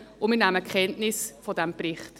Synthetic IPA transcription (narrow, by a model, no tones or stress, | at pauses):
ʊmiːnæməkʰχɛntnɪsfɔdɛmprɪχt